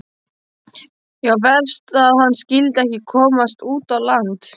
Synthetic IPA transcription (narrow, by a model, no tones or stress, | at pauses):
jaɣvɛr̥st̪aðɦanːscɪlt̪ɛhcɪkʰɔːmast̪uːt̪awlant̪